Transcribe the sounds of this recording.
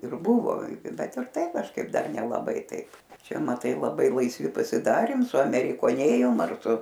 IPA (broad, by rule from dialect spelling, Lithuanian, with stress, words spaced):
ˈɪr ˈbʊʋoː ˈbʲɛt ɪr ˈtɐɪ kɐʃˈkɐɪp ˈdɐr nʲɛlˠɐˈbɐɪ ˈtɐɪp ˈt͡ʃʲɛ mɐˈtɐɪ lˠɐˈbɐɪ lˠɐɪsʲˈʋʲɪ pɐsʲɪˈdɑːrʲeːm sʊɐmʲɛrʲɪkoːˈnʲeːjoːm ɐr ˈsʊ